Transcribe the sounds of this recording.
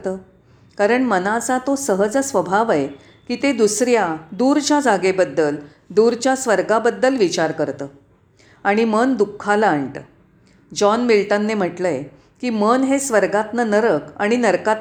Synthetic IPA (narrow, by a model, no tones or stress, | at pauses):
t̪əː | kaɾəɳmənat͡sat̪osəɦəd͡zəsʋəbʱaʋae | kiːt̪ed̪usɾjad̪uɾt͡ɕjad͡zaɡebəd̪ːəl | d̪uɾt͡ɕjasʋəɾɡabəd̪ːəlʋit͡ɕaɾkəɾt̪əː | aɽ̃imənd̪ukʰːalaəɳʈ̪ə̰ː | d͡ʑɔnmilʈənːem̤əʈləe | kiːmənɦesʋəɾɡat̪nənəɾəkaɽ̃inəɾkat̪